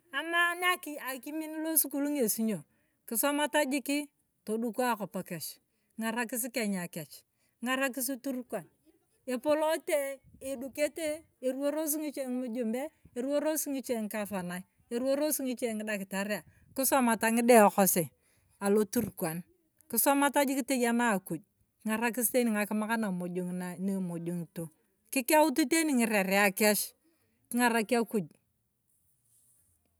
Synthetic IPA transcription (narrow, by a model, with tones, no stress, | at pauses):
a˨ma˦n˦a˦ki˨a˨ki˦mi˦n˦lo˦su˦ku˦lu˦ŋe˨si˦ɲo˨ | kɪ˨sɔ˦ma˦ta˦d͡ʒi˦ki˦ | to˨du˦ku˦a˦ko˨pa˨kɛ˨t͡ʃ | ŋa˨ɾa˦kɪ˦s̬i˦ke˨ɲa˨kɛ˨t͡ʃ | ŋa˨ɾa˦k̬ɪ˦s̬i˦tu˦ɾkwa˨n | e˨po˦lo˦te˦e˨du˨ke˦te˦ | e˨ɾu˦o˦ɾo˦s̬i˦ŋi˦t͡ʃe˦ŋ˦mu˦d͡ʒu˨mbe˦e˨ɾu˦o˦ɾo˦si˦ŋi˦t͡ʃe˦˨ŋ˦ka˦fa˨na˨i˦ | e˨ɾu˦o˦ɾo˦si˦ŋi˦t͡ʃe˦˨ŋɪ˦da˨kɪ˨ta˨ɾja˨ | kɪ˦sɔ˦ma˨ta˨˦ŋɪ˦dɛ˦ɔ˨kɔ˦se˨ | a˨lo˦tu˦ɾkwa˨n | kɪ˦sɔ˦ma˦ta˦d͡ʒi˦kɪ˦te˦ja˦naː˦˨ku˨d͡ʒ̚ | kɪ˦ŋa˨ɾa˦k̬ɪ˦ste˦ni˨ŋa˨kɪ˦ma˦ka˦na˨mo˨d͡ʒo˨ŋna˨ne˦˨mo˨d͡ʒo˨ŋ˨to˨ | kɪ˦kɪ˦a˦ʊ˦tu˦te˦ni˨ŋɪ˨ɾe˨ɾɪ˨a˨kɛ˦ʃ | kɪ˦ŋa˦˨ɾa˦ki˦a˦ku˨d͡ʒ̚